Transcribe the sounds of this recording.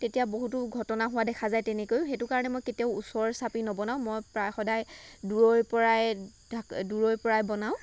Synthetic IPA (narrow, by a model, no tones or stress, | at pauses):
tetijaboɦutʊɡʱɔtɔnaɦʊwadɛkʰazajtɛnekojʊ̃xetʊkaɹɔnɛmɔjketijaʊusɔɹsapinɔbɔnaʊ̃mɔjpɹajxɔdajduɹojpɔɹaj | dʱaduɹojpɔɹajbɔnaʊ̃